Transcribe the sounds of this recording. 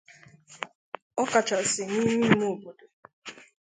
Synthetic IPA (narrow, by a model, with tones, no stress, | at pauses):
ɔ˦ka˨t͡ʃa˨sɪ˨ni˦mi˦mo˦˨bo˨do˨